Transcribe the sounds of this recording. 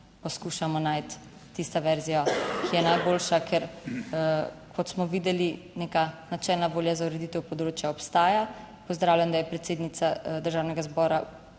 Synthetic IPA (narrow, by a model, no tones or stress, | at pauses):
pɔskuʃamɔnajt̪ː | ist̪ɔʋɛɾzijɔkʰijɛnajboːlʃakʰɛɾ | kʰɔt̪smɔʋiːd̪ɛlinekanat͡ʃɛlnaʋoːljazauɾɛd̪it̪ɛwpɔd̪ɾoːt͡ʃjaɔpst̪aːja | pɔzd̪ɾaːwljamd̪ajɛpɾɛt̪seːd̪nit̪sad̪əɾʒaːwnɛɡazbɔːɾa